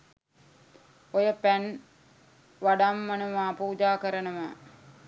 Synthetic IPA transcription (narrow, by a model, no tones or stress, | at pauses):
ojəpæn | ʋaɖamːənəmaːpuːd͡ʒaːkəɾənəmə